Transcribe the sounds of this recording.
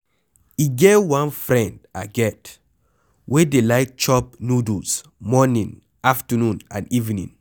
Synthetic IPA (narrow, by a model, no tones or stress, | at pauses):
iɡewãnfɹɛ̃ndaɡɛt | wʔedelaɪk̚t͡ʃɔp̚nudus | mɔnĩn | aftənũnã̰nivinḭ̃ŋ